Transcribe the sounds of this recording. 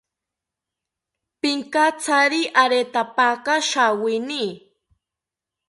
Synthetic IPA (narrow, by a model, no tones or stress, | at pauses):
pɪŋkat͡saɾiʔaɾet̪apakaʃawɪni